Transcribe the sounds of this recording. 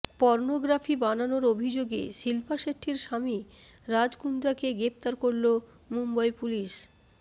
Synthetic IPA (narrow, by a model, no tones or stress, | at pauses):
pɔɾnoɡɾafʰibananoɾobʱid͡ʑoɡḛʃilpʰaʃeʈʰːiɾʃami | ɾad͡ʑkund̪ɾakeɡɾept̪aɾkoɾlo | mumbajpuliʃ